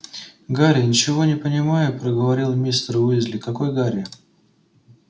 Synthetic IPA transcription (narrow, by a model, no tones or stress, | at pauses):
ɡaɾʲɪnʲɪt͡ɕɪvo̞nʲɪpənʲɪmajʊpɾəɡəvɐɾʲilˠmʲist̪ɾvɨɪzʲlʲɪkɐko̞jɡaɾʲɪ